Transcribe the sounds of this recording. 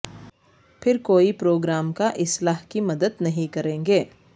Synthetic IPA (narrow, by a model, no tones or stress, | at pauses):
pʰɪɾkoːipɾoːɡɾaːmkaʔɪslaːɦkimɐd̪əd̪nɐɦĩkɐɾẽːŋɡeː